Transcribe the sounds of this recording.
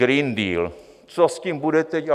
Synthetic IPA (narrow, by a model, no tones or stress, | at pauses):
ɾiːndiːl | t͡soscimbudɛt̪ɛca